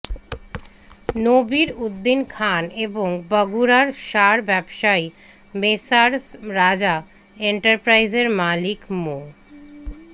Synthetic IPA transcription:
nobiɾud̪ːinkʰaneboŋbʌɡuɾaɾʃaɾbɛbʃaj | mesaɾsɾad͡ʑa | eɳʈaɾpɾajzeɾmalikmu

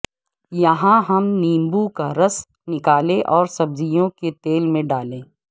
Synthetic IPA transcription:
jɐɦãɦɐmnĩːmbukaɾɐs | nɪkaːlẽʔɔːɾsɐbzijõket̪eːlmẽɖaːlẽː

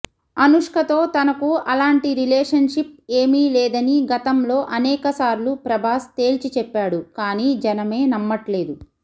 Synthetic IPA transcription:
ɐnuʂkʰɐt̪o̞ːt̪ɐnɐkuʔɐlaːɳʈiɾileːʂɐnʂip̚eːmilɛːd̪ɐniɡɐt̪ɐmlo̞ːʔɐnɛːkɐsaːɾlupɾɐbʱaːst̪e̞ːlt͡ʃit͡ʃɛpːaːɽukaːniːd͡ʒɐnɐme̞ːnɐmːɐʈle̞ːd̪u

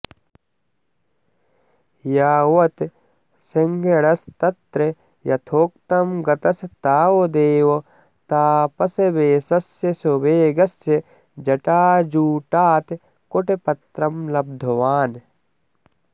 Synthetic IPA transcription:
jaːwɐt̪ | sɪŋɡeɽɐst̪ɐt̪ɾe | jɐt̪ʰoːk̚t̪ɐmɡɐt̪ɐst̪aːwod̪eːwo | t̪aːpɐsebeːsɐsjesobeːɡɐsːe | d͡ʒɐʈaːd͡ʒuːʈaːt̪ | koʈepɐt̪ɾɐmlɐb̚d̪ʱoʋaːn

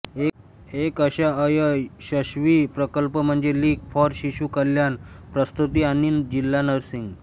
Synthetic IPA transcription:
ekəɕaəjəɕəɕʋipɾəkəlpəm̤əɳd͡zeliːɡfɔɾɕiɕukəljanpɾəst̪ut̪ianiːnd͡ʑilːanəɾsiŋɡ

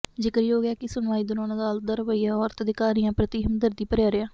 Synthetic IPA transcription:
d͡ʒɪkəɾiːoːɡjaːkɪsʊnʋaːiːd̪ʊnɔːnãːd̪aːld̪aːɾəʋəiːaːɔːɾt̪əd̪ɪkaːɾijãːpɾət̪iːɦəmd̪əɾd̪iːpəɾjaːɾɪjaː

